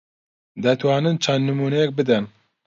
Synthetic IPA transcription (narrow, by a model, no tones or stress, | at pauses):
d̪ɛt̪ʰwɑːnɨnt͡ʃʰand̪nɨmuːnɛjɛk̚bɨd̪ɛn